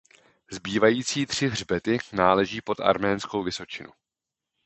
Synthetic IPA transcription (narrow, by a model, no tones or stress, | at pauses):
zbiːvajiːtt͡siːt̪r̝̥ɪɦr̝bɛt̪ɪnaːlɛʒiːpo̞t̪a̰ɾmɛːnsko̞wvɪso̞t͡ʃɪnṵ